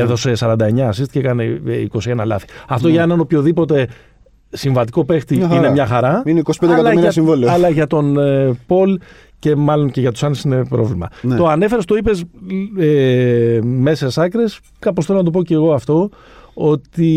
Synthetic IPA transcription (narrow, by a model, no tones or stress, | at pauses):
eðo̞se̞sɐɾɐnd̪ɐe̞ɲɐːsist̪icekɐneiko̞sie̞nɐlɐ̰θi̥ɐft̪oʝɐenɐno̞pço̞ðipo̞t̪e̞ | siɱvɐt̪i̥ko̞pe̞xt̪iinemɲɐxɐɾɐineikosi̥pend̪ekɐlɐmiɾɐsiɱvolɐlɐʝɐt̪o̞npo̞l | ce̞mɐlo̞nce̞ʝɐt̪u̥sɐnesinepɾo̞vlimɐ̰nt̪o̞ɐne̞fe̞ɾest̪oipe̞se | me̞se̞sɐkɾe̞s | kɐposθelonɐt̪op̬oce̞ɣo̞ɐft̪o̞ | o̞t̪i